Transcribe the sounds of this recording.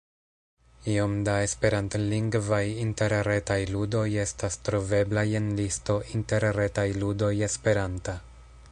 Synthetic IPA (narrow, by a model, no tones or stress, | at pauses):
io̞mdae̞spe̞ɾantliŋɡvajinte̞ɾɾe̞tajludo̞je̞stastɾo̞ve̞blaje̞nlisto̞ʔinte̞ɾɾe̞tajludo̞je̞spe̞ɾanta